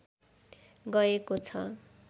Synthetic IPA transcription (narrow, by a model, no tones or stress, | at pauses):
ɡʌekot͡sʰʌ̰